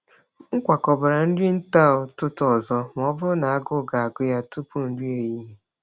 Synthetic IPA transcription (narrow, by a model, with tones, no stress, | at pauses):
ŋ̩˦kʷa˨kɔ˨ba˨ɾa˨n̩˦di˦n̩˦ta˦˨ʊ˨tʊ˦tɔ˨zɔ˦m˨ɔ˦bʊ˦ɾʊ˦na˨a˦ɡʊ˦˨ɡa˨a˨ɡʊ˦ja˦tʊ˦pu˦n̩˦di˦e˨ji˦ɦe˨